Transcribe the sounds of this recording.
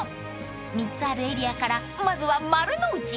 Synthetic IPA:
mit͡saɾeɾiakaɾamazuwamaɾɯnout͡ʃi

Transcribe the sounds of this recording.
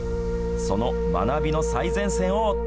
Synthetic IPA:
so̞no̞ | ma̰nabʲino̞saizẽ̞ɰ̃sẽ̞ɰ̃o

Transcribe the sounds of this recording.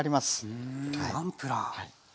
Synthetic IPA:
ɾʲimasɨ̥aampɯ̟ɾahai

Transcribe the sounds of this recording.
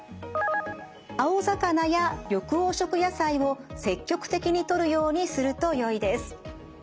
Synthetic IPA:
aozakanajajo̞kɯ̟oːɕo̞kɯ̟jasaio̞se̞kʲːo̞kɯ̟̥t̪e̞kʲiɲ̟it̪o̞ɾɯ̟jo̞ːɲ̟isɨɾɯ̟t̪o̞jo̞id̪e̞sɨ̥

